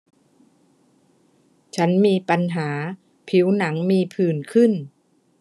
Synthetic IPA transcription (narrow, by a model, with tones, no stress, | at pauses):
t͡ɕʰa˦˥nmiː˧pa˧nɦaː˩˦ | pʰi˩˦˥wna˩˦ŋmiː˧pʰɯː˨˩nkʰɯ˥˩n